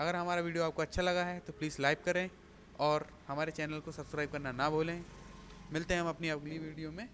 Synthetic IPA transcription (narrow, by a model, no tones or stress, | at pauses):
ɐɡəɾɦɐmaːɾaʋiːɖijoaːp̚koɐtːʃʰalɐɡaɦɛt̪opliːzlaːɪpkɐɾẽː | ɔːɾ | hɐmaːɾet͡ʃɛːnəlkosɐbskɾaːɪb̚kɐɾnanɐboːlẽ | mɪlt̪eɦɛ̃ɦɐ̃mɐpniɐɡliʋiːɖijomẽ